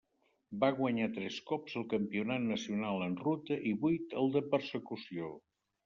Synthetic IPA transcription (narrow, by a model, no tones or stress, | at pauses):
baɣwəɲat̪ɾɛskɔpzəlˠkəmpiunat̪nəsiunalˠənrut̪əʔiβujt̪əlˠd̪əpəɾsəkusio